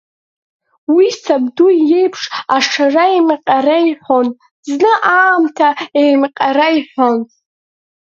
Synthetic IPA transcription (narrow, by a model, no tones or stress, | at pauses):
wisabduje̞jpʰʂaʂʰaraemqʲʼarajħʷo̞n | znɨʔaːmtʰaemqʲʼaɾaiħʷon